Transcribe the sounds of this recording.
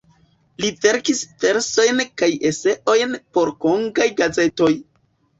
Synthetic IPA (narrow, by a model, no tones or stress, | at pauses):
live̞ɾkisfe̞ɾso̞jnkaje̞se̞ʔo̞jnpo̞ɾko̞ŋɡajɡaze̞to̞j